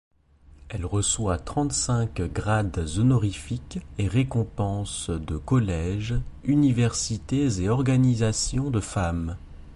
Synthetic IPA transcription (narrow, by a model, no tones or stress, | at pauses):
ɛlʁəswat̪χɑ̃t̪sɛ̃kɡʁad̪zɔnɔʁifikeʁekɔ̃pɑ̃sd̪əkɔlɛʒynivɛʁsit̪ezeɔʁɡanizasjɔ̃d̪əfam